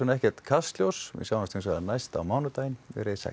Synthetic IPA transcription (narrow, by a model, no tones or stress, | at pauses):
unɛhcɛɾ̥t̪kʰast̪ljowsɛ̰sjawnst̪ʰĩns̬aðanajst̪a̰wmaːwnʏt̪aːjnvɛ̰ɾɪsa̰